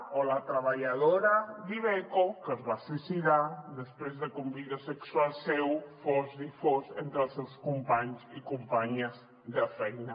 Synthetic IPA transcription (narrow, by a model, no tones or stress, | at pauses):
olat̪ɾəβaʎaðoɾaðiβekokəzβasisiðaðəspɾezðəkumbiðəsəksualˠsewfozifozent̪ɾəlˠsewskumpaɲzikumpaɲəz | ðəfɛjnɐ